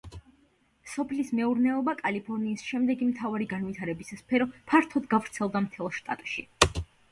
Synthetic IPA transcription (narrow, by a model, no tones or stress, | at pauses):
sɔpʰlismɛuɾnɛɔbakʼalipʰɔɾniːsʃɛmd̪ɛɡimt̪ʰavaɾiɡanvit̪ʰaɾɛbisaspʰɛɾɔpʰaɾt̪ʰɔd̪ɡavɾt̪sʰɛlˠd̪amt̪ʰɛlˠʃt̪ʼa̰t̪ʼʃi